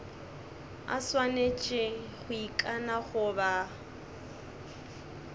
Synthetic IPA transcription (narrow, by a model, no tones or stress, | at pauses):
a̰swanet͡ʃʼɪ | χʊikʼanaχʊba